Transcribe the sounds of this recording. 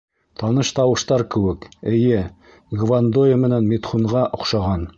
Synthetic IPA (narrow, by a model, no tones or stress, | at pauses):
t̪ʰɑnɤʃt̪ɑwɤ̆ʃt̪ɑɾkɘ̆wɘkɘ̆jɘ | ɡvand̪ojəmɘ̆nænmit̪χuɴʁɑʔŏχʃɑʁɑn